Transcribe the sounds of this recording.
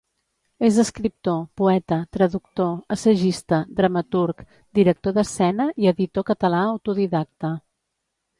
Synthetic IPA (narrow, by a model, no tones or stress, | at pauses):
ezəskɾip̚t̪opuɛt̪ət̪ɾəðuk̚t̪oəsəʒist̪əd̪ɾəmət̪uɾk | d̪iɾək̚t̪oðəsɛnəʔiəðit̪okət̪əlaəwt̪uðiðak̚t̪ə